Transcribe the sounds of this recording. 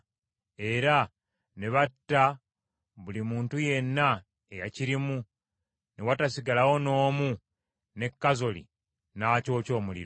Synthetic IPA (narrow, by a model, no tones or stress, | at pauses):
e̞ɾa | neβatːa | βulimuːntuje̞nːa | e̞jaciɾimu | newatasiɡalawo̞no̞ːmu | ne̞kːazo̞lḭ | naco̞ːco̞ːmulḭɾo